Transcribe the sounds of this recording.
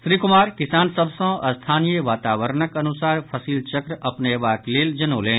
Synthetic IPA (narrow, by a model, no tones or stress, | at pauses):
sɾiːkʊmaːɾkɪsaːnsɐbsõɐst̪ʰaːnijəʋaːt̪aːʋəɾnəkɐnʊsaːɾpʰɐsiːlt͡ʃɐkɾɐpneʋaːkleːld͡ʒɐnoːlẽː